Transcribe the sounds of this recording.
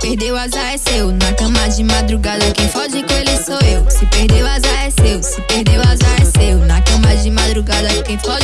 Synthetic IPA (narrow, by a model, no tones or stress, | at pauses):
pehd̪ewazaɛsewnɐkɐ̃mɐd͡ʒɪmad̪ɾuɡad̪ɐkẽfɔʒɪkõelɪsoewsɪpehd̪ewazaɛsewsɪpehd̪ewazaɛsewnɐkɐ̃mɐd͡ʒɪmad̪ɾuɡad̪ɐkẽfɔʒ